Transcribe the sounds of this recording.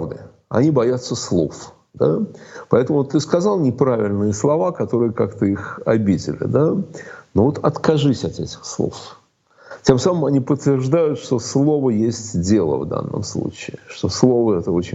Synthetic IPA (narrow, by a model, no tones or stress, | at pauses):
vd̪ɨ̰ | ɐ̰nʲibɐjat̪səslˠo̞̰f | d̪a̰pɐɛt̪əmʊt̪ːɨskɐzɑlˠnʲɪpɾavʲɪlʲnɨjəslˠɐvakɐt̪o̞ɾɨjəkakt̪əixɐbʲidʲɪ̰lʲɪ̰d̪anovot̪ɐt̪kɐʐɨsʲɐt̪ɛtʲɪ̥xslˠo̰f | tʲe̞msaməmɐnʲipət̪ːvʲɪrʐd̪ajʊt̪ʂt̪o̞slˠo̞vəjesʲtʲdʲe̞lˠə̰vd̪a̰nːə̰mslˠṵt͡ɕɪɪʂt̪o̞slˠo̞vəɛt̪əot͡ɕɪnʲ